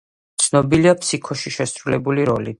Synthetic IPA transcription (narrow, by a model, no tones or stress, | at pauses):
t̪sʰnɔbiliapʰsikʰɔʃiʃɛsɾulɛbuliɾɔli